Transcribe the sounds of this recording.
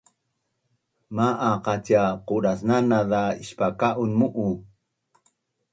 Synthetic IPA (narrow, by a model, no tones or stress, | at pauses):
maʔaqacaquɾasnanaðaiɕpakaʔunmuʔu